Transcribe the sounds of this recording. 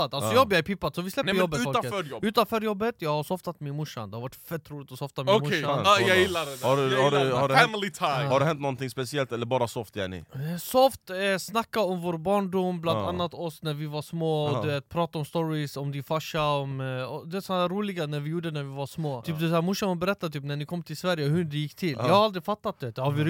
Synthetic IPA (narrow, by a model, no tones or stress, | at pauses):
ad̪alsɔjɑːɡbliapʰɪpːad̪sɔvɪslɛp̪əɾjɔb̪bːəʉːfɔləøːɾjɔʉːt̪anfœːɾjɔbːət̪jɑːɡhaɾsɔft̪at̪mɪnmʊʂːa̰nd̪ɛhaɾvaʈːfɛt̪ːɾuːlɪt̪ɔsɔft̪amɪomʊʂajɑjɪlːadɛd̪aɖʉhaɖhaɖɛmlɪt̪ʰaɪhaɖʉɛ̃nt̪̚nɔnt̪ɪŋspɛsɪɛlt̪ɛlːəɾbɑːɾasɔft̪jæ̰ɳɪ̰sɔft̪ɛsnakːaɔmvoːɾbɑːɳɖʊmːblananːat̪ɔsnæɾvɪvaɾsmoːɔd̪ʉveːt̪̚pʰɾɑːt̪aɔmst̪ɔɾɪsɔmd̪ɪfaʂaɔmɔd̪ɛɛsɔɾːuːlɪɡanæɾvɪjuːɖənæɾvɪvaɾsmoːt̪ʰyːpd̪ɛæːɾmʊʂːamɔbɛɾɛt̪ːat̪ʰyːpnænɪkʰɔmːt̪ʰɪlsvæɾjəɦʉd̪ɛjɪkːt̪ʰɪlːjɑhaɾald̪ɾɪfat̪ːat̪̚d̪ɛd̪̥ɛhaɾvɪɾ